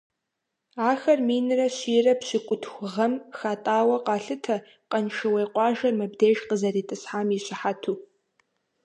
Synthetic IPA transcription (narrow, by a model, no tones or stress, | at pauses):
aːxɐrmiːnrɐɕiːrɐpɕɪkʷʼʊtʰxʷʊʁɐmxaːtʼaːwɐqɑːɬɨtʰɐ | qɐnʃɨwejqʷɑːʒɐrmɨbdeːʒqəzɐriːtʼɨsħaːmiːɕɪħatʰuː